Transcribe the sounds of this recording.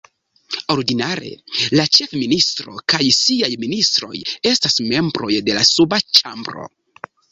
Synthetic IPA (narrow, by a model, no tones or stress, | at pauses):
o̞ɾdinaɾe̞̰lat͡ʃe̞fministɾo̞̰kajsiajministɾo̞̰je̞stasme̞mbɾo̞jde̞lasubat͡ʃambɾo̞̰